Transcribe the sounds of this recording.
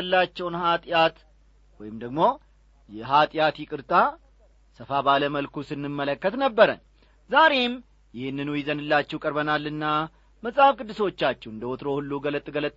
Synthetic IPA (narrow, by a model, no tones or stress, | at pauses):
lːat͡ʃːɛwnhat̪ʼjat̪ | wɔjɪmd̪əɡmo̞ | jɛɦat̪ʼjat̪jɪkʼɨɾt̪ʼa | səfabaləməlkusɨnːɨmːələkːət̪nəbːəɾə̰n | zaɾe̞m | jɪhɨnːɨnujɪzənɨlːat͡ʃːɛwkʼəɾbənalːɨnːa | məsʼafkʼɨd̪ːɨso̞t͡ʃːat͡ʃːɛɨnd̪əwɔt̪ɾo̞hulːuɡələt̪ʼɡələt̪ʼː